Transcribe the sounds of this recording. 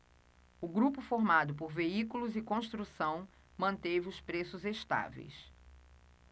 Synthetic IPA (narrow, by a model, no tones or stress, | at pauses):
ʊɡɾupʊfoɾmad̪ʊp̬oɾveikulʊzɪkõʃt̪ɾusɐ̃w̃ | mɐ̃nt̪evɪʊspɾesʊzeʃt̪a̰vḛjs